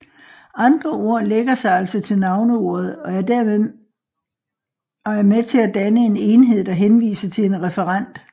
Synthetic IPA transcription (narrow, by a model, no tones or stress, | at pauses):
ɑ̈nd̥ʁɐʔo̝ɐ̰leɡ̥ɐsɑ̈ɪæl̰sɒt͡sʰe̝lnɑ̈ʊnəo̝̰ːð̞̩ˠɒ̽æɐdæɐ | ɒ̽æɐmet͡sʰe̝læd̥ænəe̝ne̝nɦe̝ð̞̰ˠɒɦenʋḭːsɐt͡sʰe̝le̝nʁɛfəʁɑn̰d̥